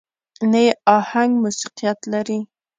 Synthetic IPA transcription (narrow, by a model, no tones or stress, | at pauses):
najeɑhaŋɡmusi̥qijat̪laɾi